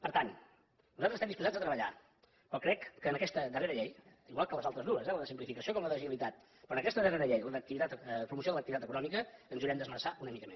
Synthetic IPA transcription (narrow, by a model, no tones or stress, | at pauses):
pəɾt̪an | nuzat̪ɾəstɛmndispuzad͡zət̪ɾəβəʎa̰ | pɾɔkɾɛkːənəkɛst̪əd̪əreɾəʎejiɣwalˠkələzalˠt̪ɾəzðuəzɛləðəsimplifikəsiokɔmləðəʒilit̪at̪ | pɾɔːnəkɛst̪əðəreɾəʎejləðək̚t̪iβit̪at̪əpɾumusjoðələk̚t̪it̪at̪əkunɔmikəənzuɾɛmd̪əzməɾsaʔunəmikəmes